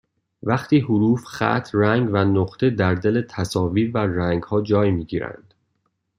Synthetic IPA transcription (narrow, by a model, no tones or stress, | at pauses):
væχt̪ʰiːɦuɾuːfχæ̰t̪ʰræŋɡvænoɢt̪ʰed̪æɾd̪elet̪ʰæsɒːviːɾværæŋɡhɒːd͡ʒɒːjmiːɟiːɾæ̰nd̪̥